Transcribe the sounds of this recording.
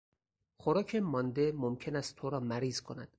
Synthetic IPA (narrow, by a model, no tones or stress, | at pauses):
xoɾɒːcʰemɒːnd̪e̞momcʰe̞næst̪ʰːoɾɒːmæɾiːzkʰo̞næd̪̥